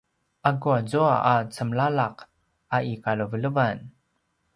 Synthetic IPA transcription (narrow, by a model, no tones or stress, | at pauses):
ʔaɡuazuaat͡səmlalaq | ʔaʔikaləvələvan